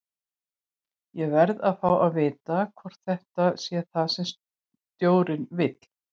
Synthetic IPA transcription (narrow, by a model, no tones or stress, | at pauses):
jɛɣvɛɾðaðfawaðvɪːt̪akʰvɔr̥t̪θɛht̪asjɛθaðsɛms | t̪joːwɾɪnvɪt̪l̥